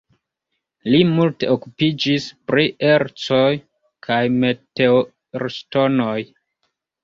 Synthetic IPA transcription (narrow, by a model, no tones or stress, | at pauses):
limulteokupid͡ʒispɾie̞ɾt͡so̞j | kʰajme̞teo | ɾsto̞no̞j